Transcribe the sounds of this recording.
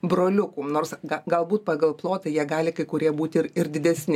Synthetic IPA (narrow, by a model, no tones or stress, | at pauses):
bɾoːlʲʊkuːnoːrsɡɐɡɐlˠbuːt̪̚pɑːɡɐlˠplˠoːt̪ɐɪjiɛɡɑːlʲɪkɐɪkʊɾʲiɛbuːt̪ʲɪɪɾɪɾd̪ʲɪd̪ʲɛsʲnʲɪ